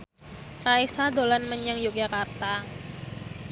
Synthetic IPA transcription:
raisadolanməɲəŋjuk̚d͡ʒakart̪a

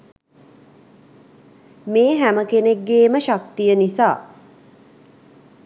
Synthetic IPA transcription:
meːɦæməkeneɡːeːməʃakt̪ijənisaː

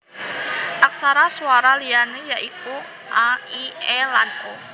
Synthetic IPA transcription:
ʔak̚saɾasuaɾalianijaʔiku | ʔaiɛlano

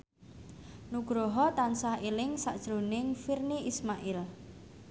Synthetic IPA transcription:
nuɡ̥ɾoɦɔt̪ansahilɪŋsa̰ʔd̥ʒ̥ɾo̤nɪŋfirniʔismaʔɪl

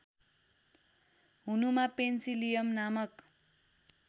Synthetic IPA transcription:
ɦunumapent͡silijʌmnamʌk

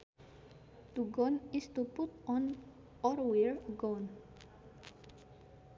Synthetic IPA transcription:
t̪uɡɔnist̪uput̪ɔn | ɔɾwɛɹɡɔn

